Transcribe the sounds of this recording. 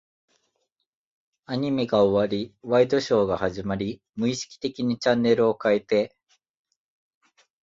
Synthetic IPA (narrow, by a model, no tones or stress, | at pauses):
aɲ̟imeɡao̞βaɾʲiβaid̪o̞ɕo̞ːɡahaʑimaɾʲi | mɯ̟iɕi̥kʲi̥t̪e̞kʲiɲ̟it͡ɕãnːe̞ɾɯ̟o̞kaet̪e̞